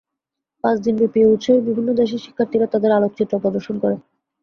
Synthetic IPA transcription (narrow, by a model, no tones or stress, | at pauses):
pãt͡ɕd̪inbepieut̪ːʃoebibʱinːod̪eʃeʃi̥kʰːaɾt̪iɾat̪ad̪eɾalok̚t͡ɕit̪ɾopɾɔd̪oɾʃonkɔɾe